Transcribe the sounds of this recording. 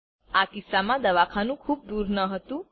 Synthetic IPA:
akisamãd̪əʋakʰanũkʰuːp̚d̪uɾnəɦət̪ũ

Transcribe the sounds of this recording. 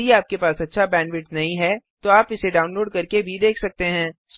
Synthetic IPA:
iaːp̚kepaːsɐtːʃʰabɛ̃ːnɖʋɪʈnɐɦĩɦɛt̪oaːpɪseɖaːʊnloːɖkɐɾkebʱid̪eːkʰsɐk̚t̪eɦɛ̃ːs

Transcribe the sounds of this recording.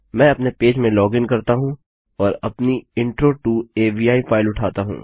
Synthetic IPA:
mɛ̃ːɐpnepeːd͡ʒmẽlɔːɡɪnkɐɾt̪aɦũ | ɔːɾɐpniɪ̃ɳʈɾoʈuːeːbiːaːifʰaːɪlʊʈʰaːt̪aɦṵ̃ː

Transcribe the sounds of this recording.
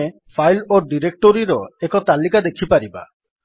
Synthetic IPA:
e | pʰajloɖiɾek̚ʈɔɾiɾɔekɔt̪alikad̪ekʰipaɾiba̰

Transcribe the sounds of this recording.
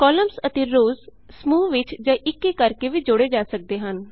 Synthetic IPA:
kɔːləmsət̪eːɾoːz | smuːʋɪt͡ʃd͡ʒaːʔɪkːekəɾkeːʋiːd͡ʒoɽeːd͡ʒaːsək̚d̪eːɦən

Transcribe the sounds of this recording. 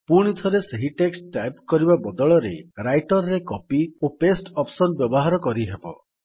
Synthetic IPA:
puɽ̃it̪ʰɔɾeseɦiʈeksʈʈajp̚kɔɾibabɔd̪ɔɭɔɾḛɾajʈɔɾɾekɔpiopesʈɔpsɔnbjɔbɔɦaɾɔkɔɾiɦebɔ̰

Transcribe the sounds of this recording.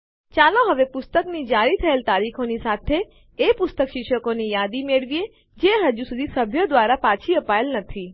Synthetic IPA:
t͡ʃaloɦəʋepʊst̪əknid͡ʒaɾit̪ʰəelt̪aɾikʰonisat̪ʰeː | pʊst̪əkʃɪkʃəkonijad̪imeɭʋie | d͡ʒeɦəd͡ʒusud̪ʱisəbʱjəd̪ʋaɾapat͡ʃʰiəpaelnət̪ʰi

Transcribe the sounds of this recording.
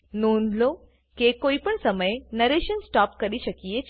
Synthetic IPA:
noːnd̪lo | kekoipəɳsəməjnəɾeʃənsʈɔːp̚kəɾiʃəkije

